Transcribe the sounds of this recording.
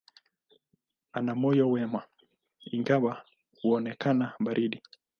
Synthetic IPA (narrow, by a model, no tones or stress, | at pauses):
anamɔjɔwɛma | iŋɡawa | huɔnɛkanaɓaɾʔiɗi